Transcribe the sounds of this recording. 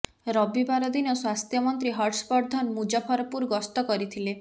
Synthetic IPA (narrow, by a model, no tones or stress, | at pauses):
ɾɔbibaɾɔd̪inɔswast̪jɔmɔnt̪ɾiɦɔɾʈspɔɾd̪ʱɔnmud͡ʒapʰɔɾɔpuɾɡɔst̪ɔkɔɾit̪ʰile